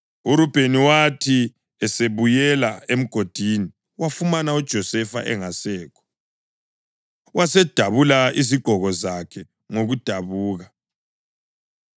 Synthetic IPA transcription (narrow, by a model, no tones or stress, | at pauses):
uɾub̥ʱeniwatʰi | ɛseβujɛlaem̩ɡ̥ʱod̥ʱini | wafumanaud̥ʒ̥ʱɔsɛfa̰ʔɛ̰ŋasɛːkʰɔ̥ | wasɛd̥ʱaβulaiziɡ͡ǃ̥ʱɔɣɔzakʰɛ | ŋoɣud̥ʱaβuːɣa